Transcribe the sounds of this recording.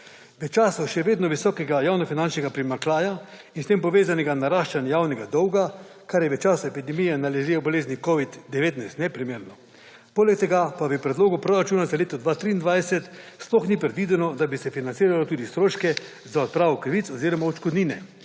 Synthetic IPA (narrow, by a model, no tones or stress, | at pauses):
ʋɛt͡ʃaːsɔʃɛʋeːd̪nɔʋisɔːkɛɡajawnɔfinant͡ʃnɛɡapɾimaklaːjainst̪empɔʋeːzanɛɡanaɾaːʃt͡ʃanjawnɛɡad̪ɔwɡa | kaɾjɛʋɛt͡ʃaːsɔɛpid̪ɛmijɛnalɛʒewboleːznikoʋid̪ːɛʋeːt̪najst̪nɛpɾimeːɾnɔ | poːlɛkt̪ɛɡapabipɾɛd̪loːɡupɾoɾat͡ʃuːnazaleːt̪ɔd̪ʋat̪ɾiːnd̪ʋajsɛt̪splɔxnipɾɛd̪ʋiːd̪ɛnɔd̪abisɛfinant̪siːɾalot̪uːd̪ist̪ɾoːʃkɛ | zaɔt̪̚pɾaːʋɔkɾiʋit̪sɔziːɾɔmaot͡ʃkɔd̪niːnɛ